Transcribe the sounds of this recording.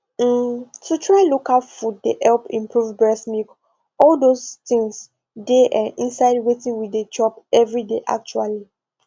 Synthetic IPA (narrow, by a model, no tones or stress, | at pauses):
m̩tʰutʰɹaɪlokalfud̚deʔɛlpĩmpʰɹuvbɹɛsmik | ɔldostĩŋs | deʔaʔĩnsaɪd̚wetĩŋwided͡ʒɔpɛvɹideʔa̰k̚t͡ʃuali